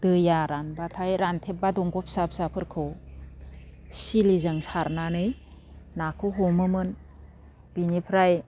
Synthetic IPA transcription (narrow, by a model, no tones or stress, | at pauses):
d̥ɯjaɾanbatʰajɾantʰep̚badɔŋɡɔp̚sap̚sapʰɯɾkʰɯw | silizɯŋsaɾnanɯjnakʰɯɦɔmɯmɯn | b̥inipʰɾaj